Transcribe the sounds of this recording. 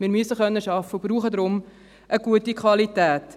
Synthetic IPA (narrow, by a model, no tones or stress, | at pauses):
miːɾmyəsəχœnːəʃɑfəʊbruːχədɾʊm | ʔəɡuətikʰwɑlitæːt